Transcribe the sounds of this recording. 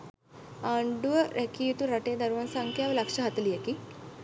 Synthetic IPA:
aɳɖuʋəɾʔɛkijut̪uɾaʈed̪əɾʋansaŋkjaʋlakʂəɦat̪lijeki

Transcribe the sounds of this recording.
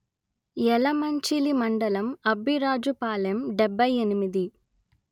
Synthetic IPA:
ɛlɐmɐɲt͡ʃilimɐɳɖɐlɐmɐbʱiɾaːd͡ʒupaːlɐjɐmɖɛbʱːɐjenimid̪i

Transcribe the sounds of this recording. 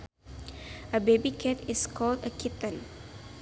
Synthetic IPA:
əbebikʰetɪskʰɔːldəkʰɪt̪əl

